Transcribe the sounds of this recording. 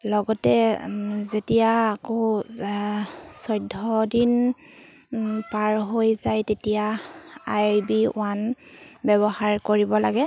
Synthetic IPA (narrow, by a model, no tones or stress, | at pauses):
lɔɡɔtɛ | zetijaːko | sɔjdʱːɔdin | paɹɦojzajtetijaajbiw̰anbɛβɔhaɹkoɹibɔlaɡɛ